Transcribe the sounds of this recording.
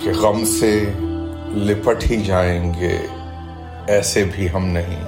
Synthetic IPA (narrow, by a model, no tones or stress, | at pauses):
keɣɐmse | lɪpəʈʰid͡ʒaːẽːŋɡḛː | ɛːsebʱiɦɐmnɐɦḭ̃